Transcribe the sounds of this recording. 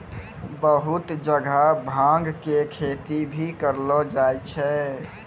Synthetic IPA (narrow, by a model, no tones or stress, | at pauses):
bəɦut̪d͡ʒəɡʱabʱãŋɡkekʰet̪ibʱikəɾlɔd͡ʒajt͡ʃʰɛ